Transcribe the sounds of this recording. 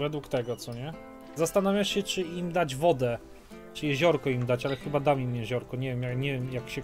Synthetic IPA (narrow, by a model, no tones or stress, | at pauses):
vɛd̪wukt̪ɛɡɔt̪sɔɲɛ | zast̪anavʲjaʂɕɛt͡ʂɘimd̪ad͡ʑvɔd̪ɛ | t͡ʂɘjɛʑɔɾkɔimd̪at͡ɕalɛxɘbad̪amʲimjɛʑɔɾkɔɲɛvjɛmjakɲɛvʲjɛmjakɕɛ